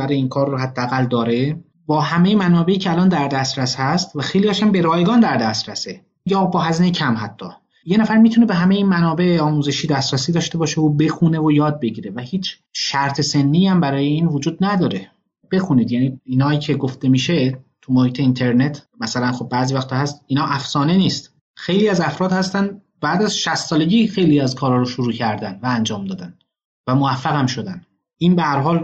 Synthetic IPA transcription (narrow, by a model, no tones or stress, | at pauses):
æɾeiːnkʰɒːrːoɦæd̪ːeæɣæld̪ɒːɾe̞ | bɒːhæme̞jemænɒːbe̞ʔiːcʰeælɒːnd̪æɾd̪æst̪ɾæshæst̪væxejlijɒʃæmbe̞ɾɒːjɡɒːnd̪æɾd̪æst̪ɾæse | miɟeɒːbɒːɦæziːnecʰæmɦæt̪ʰːɒ̰ː | je̞næfæɾmit̪ʰune̞be̞ɦæmeiːnmænɒːbe̞ɒːmuːze̞ʃiːd̪æst̪ɾæsiːd̪ɒːʃt̪e̞bɒːʃe̞obe̞xune̞vojɒːd̪̚be̞ɟiːɾevæhiːt͡ʃʰ | ʃæɾt̪ʰe̞se̞nːiːæmbæɾɒːje̞iːnvod͡ʒuːd̪̚næd̪ɒːɾe̞ | b̥e̞xuniːd̪jæniːiːnhɒːiːcʰe̞ɡo̞ft̪e̞miːʃet̪ʰumohiːt̪ʰe̞int̪ʰeɾne̞t̪ʰmæsælænxob̚ːæːziːvæxt̪ʰɒhæst̪iːnhɒːʔæfsɒːne̞niːst̪ | xe̞jliːæzæfɾɒːd̪hæst̪æn | bæːd̪æzʃæst̪sɒːle̞ɟiːxe̞jliːæzkʰɒːɾɒːɾoʃoɾuːcʰæɾd̪ænvæænd͡ʒɒːmd̪ɒːd̪æn | væmovæfːæɣæmʃo̞d̪æn | ʔiːnbehæɾɦɒːl